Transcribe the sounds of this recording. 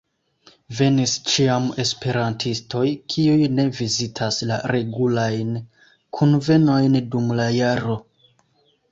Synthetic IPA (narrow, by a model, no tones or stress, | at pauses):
ve̞nist͡ʃiame̞spe̞ɾantʰisto̞jkʰiujne̞vizitʰaslaɾe̞ɡulajn | kʰunve̞no̞jndumlajaɾo̞